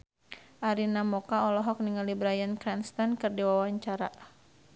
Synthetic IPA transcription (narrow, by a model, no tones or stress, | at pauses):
ʔaɾinamɔkaɔlɔɦɔk̚niŋalibɾajankɾɛnst̪ankɨrdiwawaɲt͡ʃaɾa̰